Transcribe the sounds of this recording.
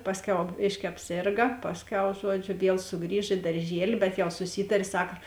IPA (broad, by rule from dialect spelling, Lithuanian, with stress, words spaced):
ˈpɑːsʲˌkʲɛʊ ˈbʲeːʃʲkʲɪ ɐpʲˈsʲeːrɡɐ ˈpɑːsʲˌkʲɛʊ ˈʒuɔˌd͡ʒʲʊ ˈʋʲiɛlˠ sʊˈɡrʲiːʃ ɪ dɐrʲˈʒʲiɛlʲɪ bʲɛt jɛʊ sʊˈsʲiːtɐrʲeː ˈsɑːkɐ